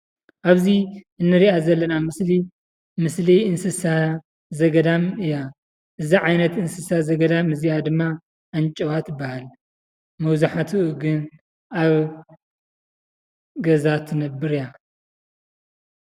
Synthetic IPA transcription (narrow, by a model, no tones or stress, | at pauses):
ʔaβziʔɨnːɨɾiʔazɐlːɐnamɨsli | mɨsliɨnsɨsa | zɐɡɐd̪amɨja | ʔɨziʕajnɐt̪ɨnsɨsazɐɡɐd̪amɨzijad̪ɨmːa | ʔant͡ʃʼɐwat̪ɨbahal | mɐwzuħat̪ʰɨʔɨɡɨn | aβ | ɡɐzat̪ʰɨnɐbːɨɾja